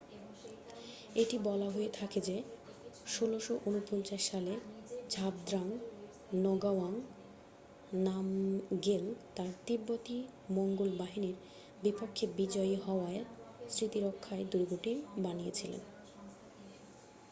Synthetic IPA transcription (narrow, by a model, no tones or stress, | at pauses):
eʈibɔlaɦoet̪ʰaked͡ʑe | ʃoloʃoʔunupɔnt͡ɕaʃːaled͡ʑʱab̚d̪ɾaŋ | nɔɡawaŋ | namɡelt̪aɾt̪ibːot̪i | moŋɡolbaɦiniɾ | bipokʰːebid͡ʑɔeɦɔoaesɾit̪iɾokʰːaed̪uɾɡoʈibanijet͡ɕʰilḛn